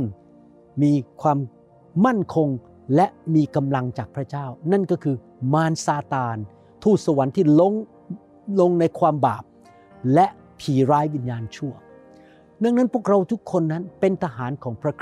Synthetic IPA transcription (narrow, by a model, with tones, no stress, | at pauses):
ŋ | miː˧kʰwaː˧mː | a˥˩nkʰo˧ŋ | lɛ˦˥ʔmiː˧ka˧mla˧ŋt͡ɕaː˨˩k̚pʰɾa˦˥t͡ɕaː˥˩wna˥˩nkɔː˥˩kʰɯː˧ | maː˧nsaː˧t̪aː˧n | t̪ʰuː˥˩k̚sa˧wa˩˦nt̪ʰiː˥˩lo˦˧˥ŋ | lo˧ŋna˧jkʰwaː˧mba̰ː˨˩p̚ | lɛ˦˥ʔ | pʰiː˨˩˦ɾaː˦˥jwi˧njaː˧nt͡ɕʰu˥˩ɐ | nɯ˥˩əŋna˦˥npʰu˥˩k̚ɾa˧wt̪ʰu˦˥kʰːo˧nːa˦˥npe˧nt̪ʰa˧ɦaː˩˦nkʰɔː˩˦ŋpʰɾa˦˥kʰ